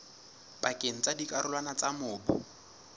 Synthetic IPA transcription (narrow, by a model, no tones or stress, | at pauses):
bakʼeŋ̩t͡sʼadikʼaɾʊlwanat͡sʼamʊːbʊ̰